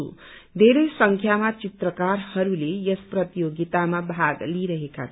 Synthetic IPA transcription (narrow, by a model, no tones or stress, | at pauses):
ṵ | d̪ʱeɾesʌŋkʰjamat͡sit̪rʌkaɾhʌɾulejʌsprʌt̪ijoɡit̪amabʱaɡliɾʌɦeka̰tʰ